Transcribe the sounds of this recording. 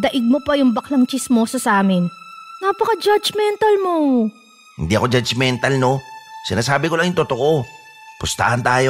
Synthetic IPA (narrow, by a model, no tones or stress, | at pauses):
d̪ɐʔɪɡ̚mopɐjʊŋbɐklɐŋt͡ʃɪsmosɐsaːmɪnnaːpɐkɐd͡ʒad͡ʒmɛnt̪ɐlmo | hɪ̰nd̪iʔɐ̰kod͡ʒɐd͡ʒmɛnt̪ɐlno̞sɪnaːsaːbɪkolaŋjʊŋt̪ot̪oʔo | pʊst̪a̰hɐnt̪aːjo